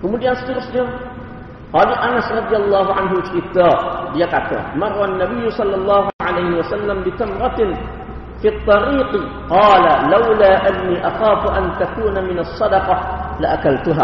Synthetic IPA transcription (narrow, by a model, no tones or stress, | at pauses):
kʊmudɪjanst̪ɪɾʊsd͡ʒa | qɑːlalʔanasɾˤɑd̪ˤɨjalˤːɑːɦʊʕanɦʊʃɪt̪ːaːdɪjaqat̪ːa̰mɑrˤːɑnːabɪjːʊsˤɑlːɑlˤːɑːhuʕalajhɪwasalːambɪt̪amɾˤɑt̪ | fiːt̪ˤːɑɾiːq | qɑːlalawlaːʔanːiːʔɑxaːfʔant̪akuːnamɪnɑsˤːɑd̪ɑqɑlaʔakalt̪ʊɦa̰ː